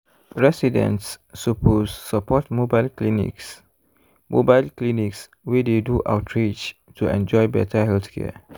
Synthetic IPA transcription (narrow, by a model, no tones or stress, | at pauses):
ɹɛsidɛ̰̃ntsːupʰozsəpɔtmobaɪlklinḭks | mobaɪlkliniks | wideduʔa̰ʊtʰɹid͡ʒtʰuɛ̰̃nd͡ʒɔjbɛ̰tʰəhɛlθkʰɛ̰